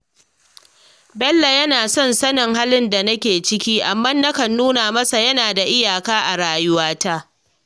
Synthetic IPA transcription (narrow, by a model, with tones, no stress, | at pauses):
bɛ˦lːa˨jɐ˦naː˨sɔ˦nsɐ˦nɪ˨ŋɦa˦lɪ˦nda˨nɐ˦kʲeː˨t͡ʃɪ˦kʲiː˦ʔa˨mːɐ˦nːɐ˦kɐ˨nːuː˦naː˨mɐ˦sa˨jɐ˦naː˨da˨ʔɪ˦jaː˨kaː˦ʔa˨ɽaː˨jʊ˦waː˦ta˦ʔ